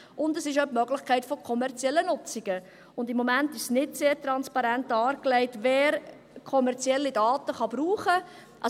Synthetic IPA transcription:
ʊndəsɪʃœpmœɡlɪχkʰɛɪtfokʰɔmɛɾt͡sjɛlːənʊt͡siɡ̥ə | ʊndɪmːomæntɪʃsnɪtseːɾtɾɑnspɑɾæntɑːɾklɛɪtvɛːɾ | kʰɔmɛɾt͡sjɛlːidɑːtəχɑb̥ɾuːχə | ʔɑ

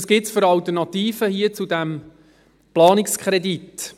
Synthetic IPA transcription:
sɡ̥ɪtsføɾɑlt̪ərnɑt̪iːfəhiət͡sud̪æm | plɑːnikskʰχɾɛd̪it̪

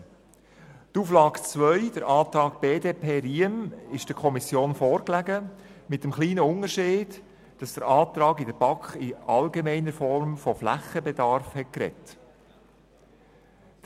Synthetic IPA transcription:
tuːflɑːkt͡svœʏd̥əɾɑːt̪ɾɑːk̚b̥eːdeːpʰeːɾiəmɪʃd̥əkʰɔmisjoːnfɔːɾklæɡəmɪt̚ːəmχliːnəʊnəɾʃeːd̥ | d̥ɑsd̥əɾɑːt̪ɾɑːɡɪdəɾb̥ɑkχɪʔɑlɡemɛɪnəfɔɾmfɔflæ̰χəbɛdɑɾfhɛt̚kɾɛ̰t

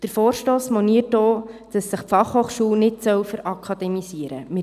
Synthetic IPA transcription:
d̥əɾfɔːɾʃtoːsmɔniətoːd̪̥ɑsːəχpfɑχhoːχʃuːwnɪtsœwfəɾɑkʰɑd̥̪ɛmisiəɾə̰mɪ

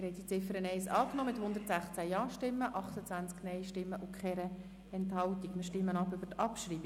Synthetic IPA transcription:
ɪɾhɛt̚dit͡sɪfəɾənɛɪsɑːknoːmɪthʊnd̪ərtsæχt͡sæjɑːʃtɪmːəʔɑχt̪ət͡sʋænt͡sknɛɪʃtɪmːəʔʊkʰχɛɾə | ɛnthɑlt̪ikmɪɾʃtɪmːənɑpʏbəɾtɑpʃɾiːbi

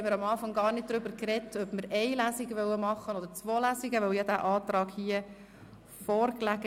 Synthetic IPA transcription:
ɛməɾɑmɑːfɑŋɡɑːrnɪd̚d̥̪ɾʏbəɾkrɛtːœbməɾɛɪlæːsiɡəʋœwəmɑχːənɔd̪əɾt͡sʋoːlæːsiɡəʋœwjɑd̪æːʔɑːt̪ɾɑːɡhiə | fɔːɾklæɡ

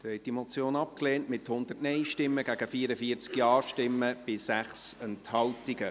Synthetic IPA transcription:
ɛɪt̚d̥imɔt͡sjoːnɑp̚kleːntmɪthʊnd̪ərtnɛɪʃtɪmːəɡ̥æɡ̥əfiːəɾəfiːəɾt͡skjɑːɾʃtɪmːəb̥ɪsæχsənthɑltiɡə

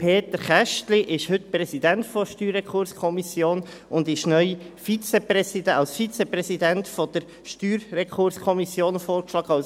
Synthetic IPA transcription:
pʰeːt̪əɾχæʃtliʔɪʃhɵtprɛsidæntfɔʃtyːɾɛkχʊɾskʰɔmisjoːn | ʊnd̪ɪʃnœʏfit͡sɛpɾɛsidɑlsfit͡sɛprɛsidæntfɔd̥əɾ | ʃtyːɾːɛkχʊɾskʰɔmisjoːnfoːɾkʃlɑːɡ̥əɑls

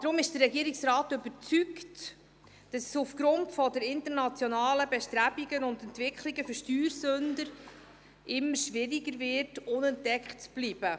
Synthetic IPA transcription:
d̥ɾʊmɪʃd̥ərɛɡiəɾiksɾaːtʏbəɾt͡sykt | d̥ɑsɛsufɡ̥ɾʊntfɔdɛɾɪntəɾnɑt͡sjɔnɑːləbɛʃtɾæbiɡənʊndɛntvɪkʰχliɡəfʏɾʃtyːɾsɵndəɾ | ʔɪmːəɾʃʋɪɾiɡəɾvɪtʊnɛntdɛkχtt͡sb̥liːb̥ə

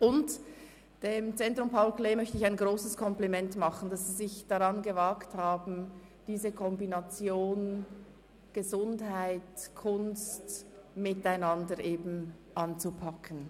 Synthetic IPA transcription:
ʊnt | d̥eːmt͡sɛntʁʊmpʰaʊlkleːmœçtəɪçaɪnɡʁoːsəskʰɔmplimɛntmɑχən̩d̥asz̥iːzɪçd̥aʁɑnɡəvakthaːbn̩d̥iːzəkʰɔmbinat͡sjoːn | ɡ̥əzʊndɦaɪtkʰʊnstmɪtaɪnɑndəɾʔeːbn̩ | ʔɑnt͡supʰɑkʰən

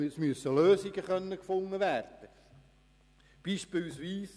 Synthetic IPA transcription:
smyəsːəløːsɪɡəχœnːəkfoŋːəʋæːrd̪̥ə | b̥iːʃpɪlsʋiːs

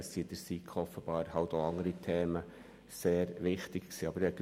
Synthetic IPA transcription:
ssid̪əɾsikʰχɔfːəb̥ɑːɾhɑltoːɑŋəɾitʰeːmə | seːɾʋɪχtɪkksiːɑb̥əɾɛk

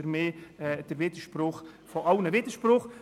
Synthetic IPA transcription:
əɾmeːɛd̥əɾvɪd̥əʃprʊχfɔʔɑlnəvɪdəɾʃprʊχ

